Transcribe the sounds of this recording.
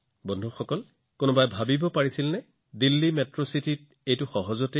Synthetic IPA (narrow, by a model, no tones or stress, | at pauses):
bɔndʱuxɔkɔl | kʊnɔbajbʱabibɔpaɹisilnɛ | dilːimɛtɹositit̚ | ejtʊxɔɦɔzɔte